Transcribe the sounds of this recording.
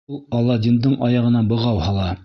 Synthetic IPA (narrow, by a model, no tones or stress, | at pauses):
lˠɑlˠːɑdʲind̪ɤɴʔɑjɑʁɤ̆nɑbɤ̆ʁɑwhɑlˠɑ